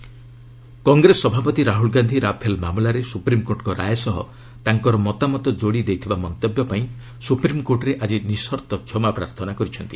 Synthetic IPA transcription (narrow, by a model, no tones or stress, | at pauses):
kɔŋɡɾesɔbʱapɔt̪iɾaɦulɡand̪ʱiɾapʰelmamlaɾesupɾimkoɾʈɔkɔɾajɔsɔɦɔ̰ | t̪aŋkɔɾɔmɔt̪amɔt̪ɔd͡ʒoɽid̪ejt̪ʰibamɔnt̪objɔpaĩ | supɾimkoɾʈɔɾeʔad͡ʒinisɔɾt̪ɔkʰːjɔmapɾa̰ɾt̪ʰɔnakɔɾit͡ʃʰɔnt̪i